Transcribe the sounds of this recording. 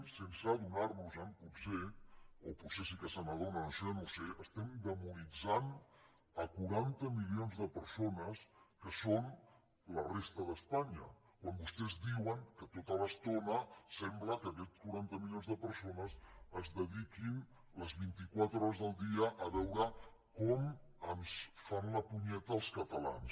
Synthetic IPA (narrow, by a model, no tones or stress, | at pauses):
sensəðunarnuzamputseoputsesikəsanəðonənoseənoseəst̪ɛmd̪əmunid͡zan | əkuɾant̪əmilionzðəpəɾsonəskəson | lərest̪əðəspaɲə̰ | kwambust̪ɛzd̪iwəŋkət̪ot̪ələst̪onəsɛmbləkəːkɛt͡skuɾant̪əmilionzðəpəɾsonəsəzðəðikin | ləzβint̪ikwat̪ɾɔɾəzðəlˠd̪iəʔːβɛwɾə | kɔmənsfanləpuɲɛt̪əːlˠskət̪əlans